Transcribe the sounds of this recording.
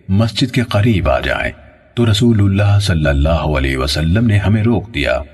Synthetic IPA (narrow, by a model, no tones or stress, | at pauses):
mɐsd͡ʒɪd̪keqɐɾiːba̰ːd͡ʒa̰ːḛ̃ː | t̪oɾɐsuːlʊlːaːɦsɐlːəlːaːɦoɐlɛ̰ːɦʋɐsɐlːəmneɦɐmẽɾoːkd̪ija̰ː